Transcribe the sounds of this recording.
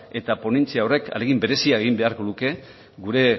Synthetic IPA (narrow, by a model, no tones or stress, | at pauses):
e̞t̪apo̞ne̞nt͡siaore̞ka̰le̞ɣimbe̞ɾe̞siaeɣ̞imbe̞aɾko̞ðuke̞ | ɣuɾe̞